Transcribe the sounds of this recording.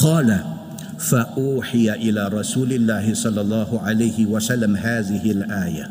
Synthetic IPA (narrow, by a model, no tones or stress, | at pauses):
qɑːla | faʔuːħɪjaʔɪlaːɾˤɑsuːlɪlːaːhɪsˤɑlːɑlˤːɑːhʊʕalajhɪwasalːamɦaːðɪhɪlʔaːja̰